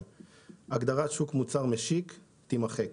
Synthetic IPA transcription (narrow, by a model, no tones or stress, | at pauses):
aɡd̪aʁatʃukmut͡saʁmeʃik | t̪imaχek